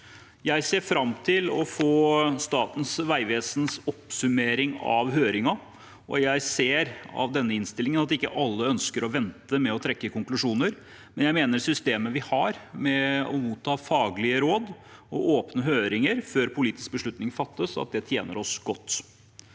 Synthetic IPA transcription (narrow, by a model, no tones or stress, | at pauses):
jæɪseːɾfɾɑmt̪ʰɪlɔfoːst̪ɑːt̪n̩sʋæɪʋeːsnsɔpsʉmeːɾɪŋɑ̰ʋɦøːɾɪŋɑ | ʔɔ̰jæɪseːɾɑ̰ʋd̪ɛnːəɪnst̪ɪlːɪŋənɑt̪ɪkːə̰ʔɑlːəœnskəɾɔʋɛnt̪əmɛɔt̪ʰɾɛkːəkʰʊŋklʉʂuːnəɾ | mɛnjæɪmeːnəɾsʏst̪eːməʋɪhɑɾmɛɔmuːt̪ʰːɑːfɑːɡlɪəɾoːd̪ɔʔoːpnəɦøːɾɪŋəɾføːɾpʰʊliːt̪ɪ̥sk̚bəʂɭʉt̪nɪŋfɑt̪ːəsɑ̰t̪̚d̪ɛt̪ʰjḛːnə̰ɾɔsɡ̥ɔt̪ː